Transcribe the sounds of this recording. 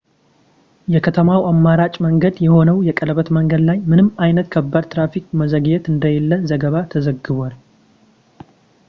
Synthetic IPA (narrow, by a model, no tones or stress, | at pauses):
jɛkʰət̪ʰəmawamːaɾat͡ʃʼməŋɡəd̪jɛho̞nəwjɛkʼələβət̪məŋɡəd̪lajmɨnɨmajnət̪kʰəbːad̪t̪ɾafikməzəɡjɛt̪ɨnd̪əjɛlːəzəɡəβat̪ʰəzəɡɨβwal